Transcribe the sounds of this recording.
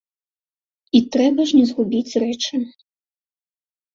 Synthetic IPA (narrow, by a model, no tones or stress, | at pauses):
it̪ɾɛbɐʐnʲɛzɣubʲit͡sʲrɛt͡ʂɨ